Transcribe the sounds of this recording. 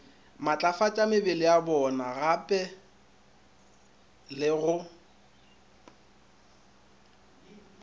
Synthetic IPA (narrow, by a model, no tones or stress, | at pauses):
mat͡ɬʼafat͡ʃʼamɪbɪlɪjabɔnaɣapʼɛ | lɪɣʊ